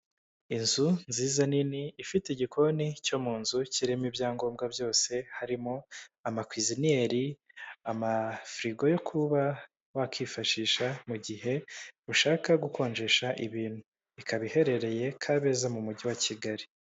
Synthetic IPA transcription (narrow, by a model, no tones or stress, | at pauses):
inzunziːzaniniːfiteiɟikʰo̞nico̞muːnzuciɾemibjaːŋɡo̞ːmɡabjo̞ːse̞haɾimo̞amakwizinie̞ɾiamafɾiɡo̞jo̞kʰuβa | wakʰiːfaʃiːʃamuɟiɦe̞uʃaːkaɡuko̞ːɲd͡ʒe̞ʃaʔiβiːnhu | ikaβihe̞ɾe̞ɾe̞je̞kʰaβe̞zamumuɟiwaciɡaɾi